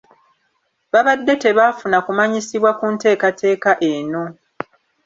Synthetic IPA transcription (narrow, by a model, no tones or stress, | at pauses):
βaβadːe̞te̞βaːfunakumaɲisiβwakunte̞ːkate̞ːkaʔe̞ːno̞